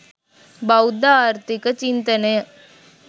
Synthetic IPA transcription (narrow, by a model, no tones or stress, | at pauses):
bɐwd̪aːɾt̪ikɐt͡ʃint̪ɐne